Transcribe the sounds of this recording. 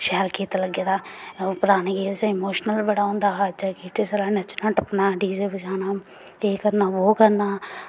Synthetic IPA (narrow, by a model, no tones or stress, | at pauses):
ʃɛːɾkeːt̪ləɡeːd̪aːpʊɾaːneːɡeːɾsãɪmoːʃnəlbəɽaːõːnd̪aːad͡ʒaːkiːʈesəlaːnət͡ʃnãːʈəpnaːɖiːzebəd͡ʒaːnaː | eːkəɾnaːʋoːkəɾnaː